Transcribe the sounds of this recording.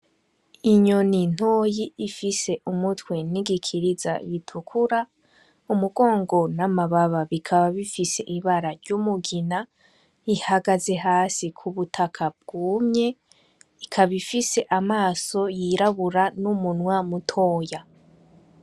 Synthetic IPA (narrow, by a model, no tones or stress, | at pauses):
iɲo̞nin̥hoːjiːfise̞ʔumutwe̞niɡikʰiɾiza̰jitʰukʰuɾa | umuɡo̞ːŋɡo̞namaβaβaβikʰaβaβifise̞̰ʔiβaɾaɾɟumuɡina | ihaɡaze̞ɦaːsikʰuβutʰakʰab̚ɡ̥uːmɲe̞ | ikʰaβifise̞ʔamaːso̞jiɾaβuɾanumunwamutʰo̞ːja